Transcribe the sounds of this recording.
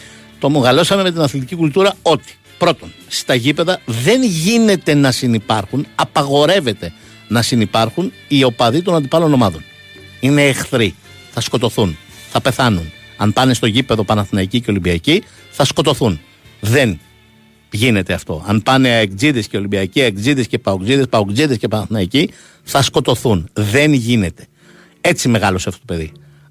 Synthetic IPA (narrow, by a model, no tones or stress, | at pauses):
t̪o̞moɣɐlo̞sɐmeme̞t̪̬inɐθlit̪icikult̪uɾɐo̞t̪i̥ | pɾo̞t̪o̞nst̪ɐʝipe̞ðɐðe̞nʝine̞t̪e̞nɐsinipɐɾxunɐpɐɣo̞ɾe̞ve̞t̪e̞ | nɐsinipɐɾxun | io̞pɐðit̪o̞nɐnd̪ipɐlo̞no̞mɐðo̞n | ine̞ːxθɾi | θɐsko̞t̪o̞θun | θɐpe̞θɐnunɐmpɐne̞st̪o̞ʝipe̞ðo̞pɐnɐθnɐicice̞o̞limbiɐci | θɐsko̞t̪o̞θun | ðe̞n | ʝine̞t̪e̞ɐft̪o̞̰ɐnpɐne̞ekd͡ziðe̞sceo̞limbiɐciekd͡ziðe̞sce̞pɐokd͡ziðe̞spɐokd͡ziðescepɐnɐθnɐici | θɐsko̞t̪o̞θunðe̞nʝine̞t̪e̞̥ | e̞t͡sime̞ɣɐlo̞seɐft̪ot̪ope̞ði